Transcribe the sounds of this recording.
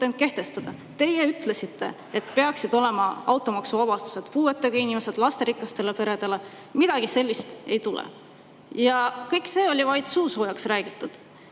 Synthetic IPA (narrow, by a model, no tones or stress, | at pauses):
end̪̚ke̞ht̪e̞st̪ɑd̪̥ɑ | t̪e̞je̞yt̪le̞sit̪ːe̞̰ | et̪pe̞ɑksid̪o̞le̞mɑɑwt̪ːˑo̞mɑksuvɑb̥ɑst̪u̥se̞d̪̥puːe̞t̪ˑːeɡ̥ɑinʲime̞se̞d̪̥lɑst̪e̞ɾikːˑɑst̪e̞lepe̞ɾe̞d̪̥e̞le̞ | mid̪̥ɑɡ̥ise̞lʲːist̪e̞jt̪ulḛ | jɑkɤjkse̞ːo̞lʲivɑjd̪̥suːsojɑksræːɡ̥it̪ːˑud̪̥